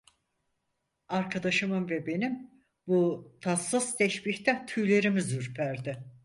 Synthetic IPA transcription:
aɾkʰad̪aʃɯmɯmvɛbe̞nim | but̪ʰasɯzt̪ʰɛʃbiçt̪ʰɛt̪ʰyjlʲe̞ɾimizyɾpʰæɾd̪ɪ

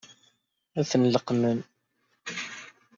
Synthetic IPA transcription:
æθənləqmən

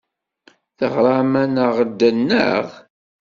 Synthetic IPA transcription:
θəʁɾˤɑmænəʁd̪ːənːə̰ʁ

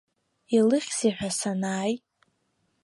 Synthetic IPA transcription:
ilɨχʲziħʷᶣasanaːj

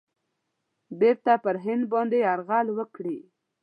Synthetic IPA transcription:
beɾt̪apəɾɦɪnd̪̚bɑnd̪eaɾɣalwəkɽi

